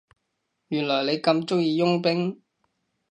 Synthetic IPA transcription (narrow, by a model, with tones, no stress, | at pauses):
jyː˨˩nlɔː˨˩le˨˧jkɐ˧mt͡ʃʊ˥ŋjiː˧jʊ˥ŋpɪ˥ŋ